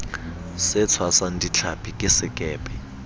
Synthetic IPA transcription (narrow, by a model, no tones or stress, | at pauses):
sɛt͡sʰwasantʼit͡ɬʰapʰikʼɪsɪkʼɛːpʼɛ